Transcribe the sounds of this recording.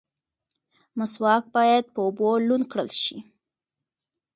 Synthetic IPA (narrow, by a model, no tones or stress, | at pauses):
mʊswɑk̚bɑjad̪̚pəobolunkɽəlʃi